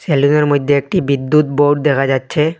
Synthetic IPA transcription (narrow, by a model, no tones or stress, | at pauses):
seluneɾmojd̪ʱːeek̚ʈibid̪ːut̪̚boʈ̚d̪ekʰad͡ʑatːɕʰe